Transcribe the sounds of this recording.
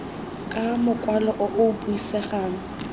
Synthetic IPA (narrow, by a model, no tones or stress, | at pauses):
kʼamʊkʼwalɔʔɔʔʊbuisɛχaːŋ̩